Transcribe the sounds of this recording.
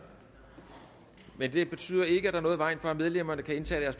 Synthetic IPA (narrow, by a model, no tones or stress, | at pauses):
mend̥e̝b̥e̝t͡sʰy̰ːð̞ˠɐe̝ɡ̥əæd̥ɑ̈nɔ̽ːð̞̩ˠʋɑ̈ɪ̰nfɒ̽æmeð̞ˠlem̰ɐnəkʰæe̝nt͡sʰɛ̰ːd̥æɐsb̥ʰ